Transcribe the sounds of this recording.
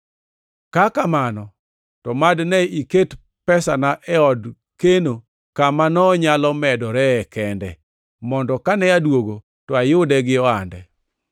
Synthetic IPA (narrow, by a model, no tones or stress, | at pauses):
kakamanɔ | tɔmadnɛiket | pɛsanaʔɛɔd | keno | kamanɔɲalɔmɛdɔɾɛɛkɛndɛ̰ | mɔndɔkanɛadwoɡo | tɔajʊdɛɡɪɔandɛ̰